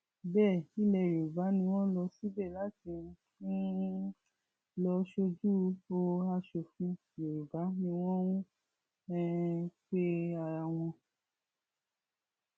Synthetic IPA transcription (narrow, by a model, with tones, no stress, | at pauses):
bɛ˦˨ĩ˦lɛ˨ɾe˨ba˨˦nĩ˧w̃ɔ̃˦lɔ˧si˦bɛ˦˨la˨˦tĩ˧˦fũ˦ | lɔ˧ʃo˧d͡ʒu˦˧˦bo˧a˧ʃo˨fũ˧˦˨lɛ˨ɾu˨ba˨˦nĩ˧w̃ɔ̃˦ũ˦ | ɛ˦k͡pe˦a˧˨ɾa˧w̃ɔ̃˧